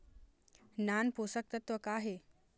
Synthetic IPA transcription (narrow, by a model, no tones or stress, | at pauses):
nanposək̚t̪ət̪ʋəkaːɦe